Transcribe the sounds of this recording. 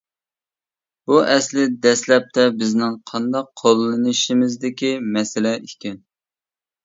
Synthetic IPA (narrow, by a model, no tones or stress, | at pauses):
buʔɛslɪd̪ɛslɛp̚t̪ʰɛbɪznɪŋqʰɑnd̪ɑqʰːolˠːɨnɨʃimɪzd̪ɪkʲimɛsɪlɛikʲʰɛn